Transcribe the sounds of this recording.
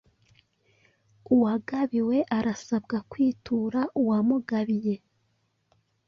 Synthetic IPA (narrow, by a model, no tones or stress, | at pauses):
uwaɡaβiwe̞ʔaɾasabɡakwiːtʰuːɾaʔuwamuɡaβije̞